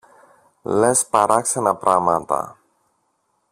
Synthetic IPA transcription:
lespɐɾɐksenɐpɾɐmɐt̪ɐ̰

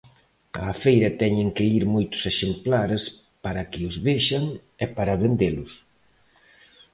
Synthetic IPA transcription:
ɐ̰ːfejɾɐt̪ɛɲɪŋkɪiɾmojt̪ʊ̥seʃemplaɾes | paɾɐkɪʊzβeʃaŋ | ɛpaɾɐβend̪elʊs

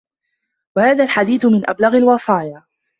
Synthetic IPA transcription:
wahaːðaːlħad̪iːθʊmɪnʔa̰blaɣalwɑsˤɑːja

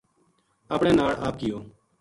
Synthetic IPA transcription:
əːpɳẽːnaːɭa̰ːp̚kɪjoː

